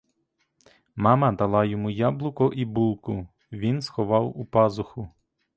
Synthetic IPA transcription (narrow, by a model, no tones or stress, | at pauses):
mɑmɐd̪ɐlˠɑjɔmujɑblˠʊkɔʔibulˠkʊ | ʋʲinsxɔʋɑwupɑzʊxʊ